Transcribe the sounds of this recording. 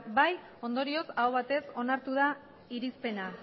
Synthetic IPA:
baj | o̞nd̪o̞ɾio̞saoβ̞at̪e̞so̞naɾt̪uð̞a | iɾispe̞na

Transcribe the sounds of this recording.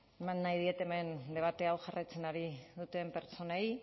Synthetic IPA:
emanːajðie̞t̪e̞me̞nd̪e̞β̞at̪e̞awʝarʔajt͡se̞naɾið̞ut̪e̞mpe̞ɾt͡so̞naj

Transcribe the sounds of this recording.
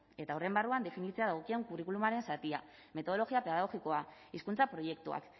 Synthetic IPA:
e̞t̪aorembaruand̪e̞finit͡se̞aðaɣokieŋkurikulumaɾe̞nsat̪ia | me̞t̪o̞ð̞olo̞ɣiapeaðaoɣiko̞aiskunt͡sapɾo̞je̞k̚t̪ua̰k

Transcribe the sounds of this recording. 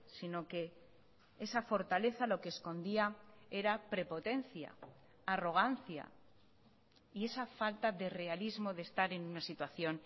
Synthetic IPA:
sino̞ke̞ | esafo̞ɾt̪ale̞θalo̞keːsko̞nd̪iae̞ɾapɾe̞po̞t̪e̞nθja̰ː | ro̞ɣ̞anθja̰ | ie̞safalt̪aðe̞re̞alizmo̞ðe̞st̪aɾe̞nunasit̪waθjo̞n

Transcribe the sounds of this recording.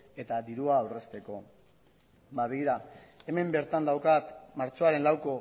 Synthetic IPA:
e̞t̪ad̪iɾuaːwre̞st̪e̞ko̞ | baβeɣiɾae̞me̞mbe̞ɾt̪and̪awkat̪maɾt͡ʃo̞aɾe̞nlawko̞

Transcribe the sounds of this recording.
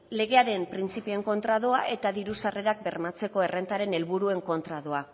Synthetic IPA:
le̞ɣ̞e̞aɾe̞mpɾint͡sipieŋko̞nt̪ɾað̞oaʔe̞t̪aðiɾusare̞ɾak̚be̞rmat͡se̞ko̞e̞re̞nt̪aɾe̞ne̞lβuɾue̞ŋko̞nt̪ɾað̞o̞a

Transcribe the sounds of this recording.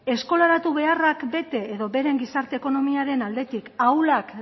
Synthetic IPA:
e̞sko̞laɾat̪uβ̞e̞arakbe̞t̪e̞ːðo̞βe̞ɾe̞ŋɡisaɾt̪e̞ːko̞no̞miaɾe̞nald̪e̞t̪ikawlak

